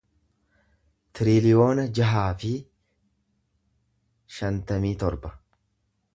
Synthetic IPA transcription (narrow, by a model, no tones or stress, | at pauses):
t̪ɪɾilɪjo̞ːnɐd͡ʒɐɦaːfɪ | ʃɐnt̪ɐmiːt̪ɔɾbɐ̥